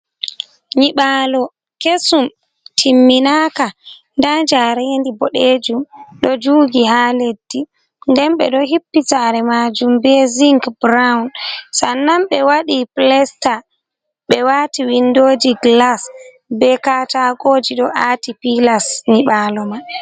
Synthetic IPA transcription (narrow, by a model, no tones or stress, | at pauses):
ɲiɓaːlɔ | kesum | tʰimːinaka | ndad͡ʒaɾɛndibɔɗed͡ʒumɗɔd͡ʒuːɡihaːledːi | ndɛnɓɛ̰ɗɔhipːitaɾɛmad͡ʒumbɛziŋkbɾawnsanːamɓɛwaɗiplɛsta | ɓɛwatiwindod͡ʒiɡlas | bɛkataɡoːd͡ʒiɗɔʔatipilasɲiɓaːlɔma